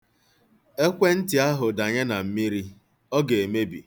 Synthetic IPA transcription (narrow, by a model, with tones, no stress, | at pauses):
e˦kʷe˦n̩˦ti˨a˦ɦʊ˨da˨ɲe˦na˨m̩˦mi˦ɾi˦ | ɔ˦ɡe˨e˨me˦bḭ˨